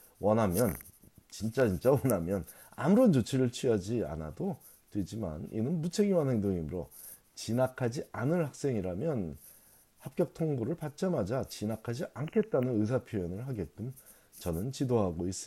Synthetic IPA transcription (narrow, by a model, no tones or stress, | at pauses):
wʌnɦamjʌn | t͡ɕint͡ɕ͈at͡ɕint͡ɕ͈awʌnamjʌn | a̰muɾʌnt͡ɕot͡ɕʰiɾɯɭt͡ɕʰɥiad͡ʑia̰na̰do | twe̞d͡ʑima̰nḭnɯnmut͡ɕʰe̞ɡiwanɦe̞ŋdoŋimɯɾo | t͡ɕinakʰad͡ʑianɯnhak̚s͈e̞ŋiɾamjʌn | hap̚k͈jʌk̚tʰoŋboɾɯɭpat̚t͡ɕ͈amad͡ʑat͡ɕinakʰad͡ʑiʔankʰe̞t̚t͈anɯnɯs̬ʰapʰjojʌnɯɭɦaɡe̞t̚k͈ɯm | t͡ɕʌnɯnt͡ɕidoɦaɡois͈ɯ